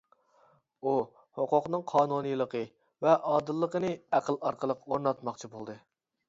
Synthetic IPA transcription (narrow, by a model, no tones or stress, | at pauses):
u | hoqʊqnɨŋqʰɑːnunɨjlˠəqʰə | vɛʔɑːd̪ɨlˠːəqənɨæqəlˠɑɾqəlˠəqoɾnɑt̪mɑqt͡ʃʰibolˠd̪ɨ